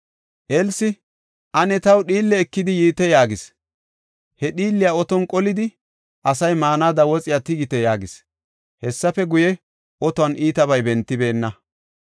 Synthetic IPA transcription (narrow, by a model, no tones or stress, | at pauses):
ʔɛlsɪ | ʔɐnɛt̪ɐwɗiːlːɛːkːɪd̪ɪjiːt̪ɛjaːɡɪs | hɛɗiːlːɪjaɔt̪ɔnkʼɔlɪd̪ɪ | ʔɐsɐjmaːnaːd̪ɐwɔt͡sʼɪjaːt̪ɪɡɪt̪ɛjaːɡɪs | hɛsːɐfɛɡʊjɛ | ʔɔt̪ɔɐnʔiːt̪ɐbɐjbɛnt̪ːɪbe̞ːnːɐ